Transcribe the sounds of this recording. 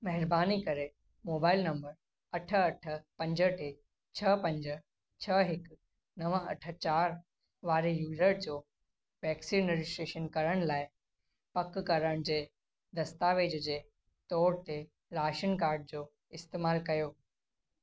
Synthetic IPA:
mɐɦɪɾbaːnikɐɾe | moːbaːɪlnɐ̃mbəɾ | ɐʈʰɐʈʰə̆pɐ̃ɲd͡ʑəʈe | t͡ɕʰɐpɐ̃ɲd͡ʑə | t͡ɕʰɐɦɪk | nɐʋəɐ̰ʈʰə̆t͡ɕaːɾ | ʋaːɾejuːzəɾd͡ʑoː | ʋɛːksiːnːɪɾɪsʈɾeːʃənkɐɾəɽ̃laːɪ | pɐkkɐɾəɽ̃d͡ʑeː | d̪ɐst̪aːʋeːd͡ʑd͡ʑeː | t̪ɔːɽt̪e | ɾaːʃənkaːɾɖ̚d͡ʑoː | ɪst̪eːmaːlkɐjoː

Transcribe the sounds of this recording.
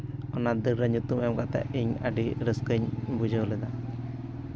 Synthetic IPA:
ɔnad̪əɾəɲut̪umjɛmkat̪a̰ʔiɲaɖiɾəskəɲbud͡ʒəwlɛd̪a

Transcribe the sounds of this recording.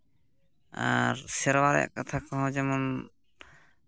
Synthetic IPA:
a̰ɾsɛɾwaɾɛ̰kat̪ʰakɔɦɔ̃d͡ʒɛmɔn

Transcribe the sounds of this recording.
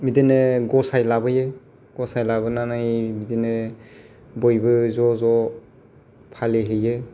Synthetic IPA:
mideneɡɔsajlabɯje | ɡ̥ɔsajlabɯnanajmidene | bɔjbɯzɔzɔ | pʰaleɦɯjɯ

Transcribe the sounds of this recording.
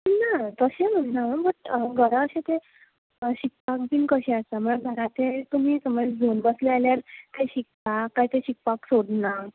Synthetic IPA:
nat̪əɕẽm̤əɳnaəbəʈɡʱəɾãəɕẽt̪e | ɕik̚pak̚binkəɕeəst̪am̤əɽ̃bʱəɾat̪ʰet̪um̤iːsəməd͡zʱonbəslealjaɾt̪eɕik̚pakːaɦit̪eɕik̚paksoɽna

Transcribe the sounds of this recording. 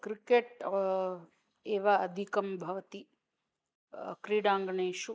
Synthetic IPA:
kɾikeʈ | eːʋaɐd̪ʱikɐmbʱɐʋɐt̪i | kɾiɽãːŋɡɳeːʃu

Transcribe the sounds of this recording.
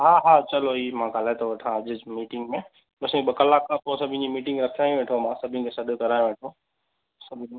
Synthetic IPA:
ɦaːɦaːt͡ʃɐloiːmãɡaːlaːt̪ʰoʋɐʈʰãɐʄmiːʈɪŋɡmẽ | bɐsebɐkəlaːkaposɐbʱɪ̃ɲimiːʈɪ̃ŋɡɾɐkʰijaːjũʋẽːʈʰomãːsɐbʱĩkʰesɐɗokɐɾaːjũʋẽːʈʰo | sɐbʱi

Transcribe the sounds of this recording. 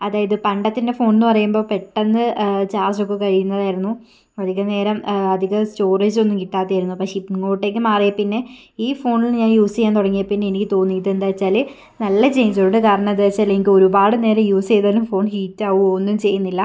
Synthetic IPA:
ɐðaːjɐðɨpɐɳɖɐt̪ːinde̞fo̞ːɳinːɨpɐrɐjumbo̞ːpe̞ʈːenːɨt͡ɕaːrd͡ʑo̞k̬ːekɐɻijunːɐðaːjiɾunːu | ɐd̪ʱiɣɐne̞ːɾɐmɐd̪ʱiɣɐsto̞ːreːd͡ʑo̞nːumkiʈːaːt̪ːijaːjɾunːupɐkʂepŋoːʈːe̞k̬ʲːɨmaːrijɐpinːe̞ | iːfo̞ːɳilɲaːnjuːsejaːnt̪oɽɐŋːijɐpinːe̞enikʲːɨt̪o̞ːnːiit̪̬ːɨend̪aːt͡ɕːaːlɨ | nɐlːɐt͡ɕe̞jnit͡ɕːuoɳɖɨkaːɾɐɳɐmɐd̪aːt͡ɕːaːlenikʲːɨo̞ɾubaːɽɨne̞ːɾɐmjuːse̞jðaːlumfo̞ːɳhiːtːaːʋuonːumt͡ɕe̞jːunːilːɐ

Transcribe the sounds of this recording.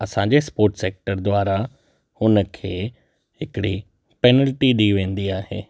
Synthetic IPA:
ɐsãɲd͡ʑespoːɾʈseːk̚ʈəɾd̪waːɾa | hʊnəkʰeː | ɦɪkɪɽi | pɛːnəlʈiɗiʋẽːn̆d̪iaːɦḛː

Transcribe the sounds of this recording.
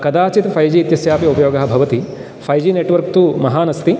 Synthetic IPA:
kɐd̪aːt͡ʃit̪fʰɐjd͡ʒiːt̪jɐsjaːpjɐupɐjoːɡɐɦɐbʱɐʋɐt̪i | pʰɐjd͡ʒiːneːʈʋɐɾk̚t̪umɐɦaːnɐst̪i

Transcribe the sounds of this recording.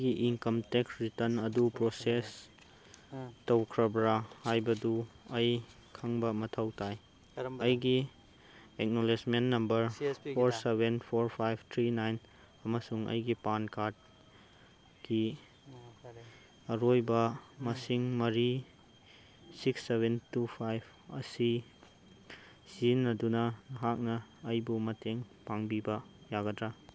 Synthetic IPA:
ɡiʔiŋkɐmteksɾitɐnɐdupɾoses | tɐwkʰɾɐbɾahajbɐduɐj | kʰɐŋbɐmɐtʰɐwtʰaj | ɐjɡi | ek̚nolesmenːɐmbɐɾpʰoɾsebenpʰoɾpʰajpʰt̪ʰɾinajn | ɐmɐsuŋɐ̰jɡipankat̚ | ɡ̥i | ɐɾojbɐmɐsiŋmɐɾi | siksːebentupʰajb | ɐ̰si | sinːɐdunɐnɐɦak̚nɐːjbumɐteŋpaŋbibɐjaɡɐdɾa

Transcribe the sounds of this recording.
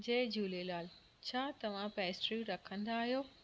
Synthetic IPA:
d͡ʑeːd͡ʑuːlelaːl | t͡ɕʰaːt̪ɐʋ̤ãpɛːsʈɾiɾɐkʰə̃nd̪aːɦijoː

